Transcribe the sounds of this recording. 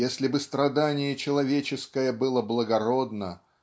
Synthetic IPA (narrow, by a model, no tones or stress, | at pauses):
esʲlʲɪbɨst̪ɾɐd̪anʲɪjət͡ɕɪlˠɐvʲet͡ɕɪskəjəbɨlˠəblˠəɡɐɾo̞d̪nə